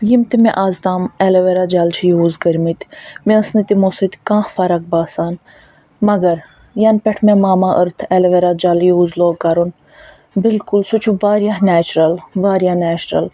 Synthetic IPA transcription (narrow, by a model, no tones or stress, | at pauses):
jimt̪imẽʔaːzd̪aːmɛleʋeɾad͡ʒalt͡ʃʰijuːzɡəɾmit̪mĩəsnit̪imosit̪kãːxfɐɾɐk̚baːsaːn | mɐɡɐɾ | jɐnpʲɛʈʰmẽmaːmaːʔəɾt̪ʰɛleʋeɾad͡ʒaljuːzloːkɐɾun | bɪlkulsut͡ʃʰuʋaːɾjanɛːt͡ʃɾɐlʋaːɾjaːnɛːt͡ʃɾɐ̰l